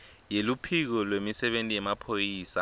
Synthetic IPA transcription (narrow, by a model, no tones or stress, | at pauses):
jelupʰik̬ɔlwemisɛɓentʼijɛmapʰojiːsa̰